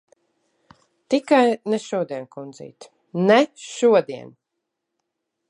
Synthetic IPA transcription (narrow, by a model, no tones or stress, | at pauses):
t̪ikajnɛʃuɔd̪iɛnkund̪zḭːt̪ | nɛʃuɔd̪iɛn